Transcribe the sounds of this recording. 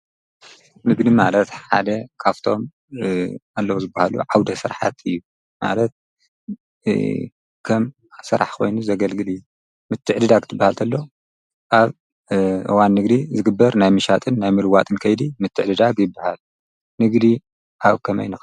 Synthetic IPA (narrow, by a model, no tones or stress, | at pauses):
mɨɡnimalɐt̪ħa̰d̪ɐkʰaft̪ʰo̞m | alːɐwozɨbːahalṵʕawd̪ɐsɨɾħa̰t̪ʰɨjːu | ma̰lɐt̪̚ | kʰɐm | sɨɾa̰ħkʰo̞̰jnuzɐɡɐlɡɨlɨjːu | mɨt̪ʰːɨʕd̪ɨd̪akʰt̪ʰɨbːahalt̪ʰɐlːow | ʔaβ | ʔɨ̰wanːɨɡd̪izɨɡɨbːɐɾnajmɨʃat̪ʼɨnːajmɨlɨwat̪ʼɨnkʰɐjd̪imɨt̪ʰːɨʕd̪ɨd̪aɡjɪbːahal | nɨɡd̪i | ʔaβkʰɐmɐ̰jnɨx